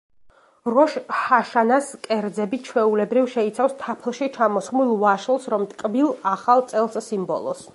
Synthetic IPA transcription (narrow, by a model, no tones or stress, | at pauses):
ɾɔʃhaʃanaskʼɛɾd̪zɛbit͡ʃʰwɛulɛbɾivʃɛit̪sʰafst̪ʰapʰlˠʃit͡ʃʰamɔsχmulˠvaʃlˠsɾɔmt̪ʼkʼbilˠaχalˠt̪sʼɛlˠsːimbɔ̰lˠɔ̰s